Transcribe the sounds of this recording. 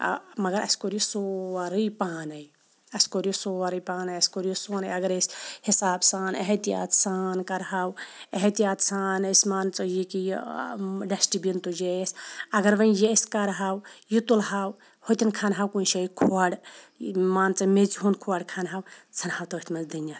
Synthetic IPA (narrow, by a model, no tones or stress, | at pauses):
mɐɡɐɾɐ̰skoɾjisoɐɾɨjpaːnɐj | ɐskoɾjisoːʋɐɾɨjpaːnɐjɐskoɾijisoːnɐjɐɡɐɾesʲhisaːbsaːnɐɦet̪ija̰ːt̪saːnkɐɾɦawɐɦet̪ijaːt̪saːnesʲmaːnt͡sɐjikij | ɖɐsʈibint̪ujesʲɐɡɐɾʋɐ̃njesʲkɐɾɦaːwjit̪ulɦaːw | hot̪ɐnkʰanɦawkunʃɐikʰoaɽ | maːnt͡sɐmet͡siɦunkʰoɐɽkʰanɦawt͡sʰɐnhawt̪ɐʋɐt̪mɐzd̪ɨnaː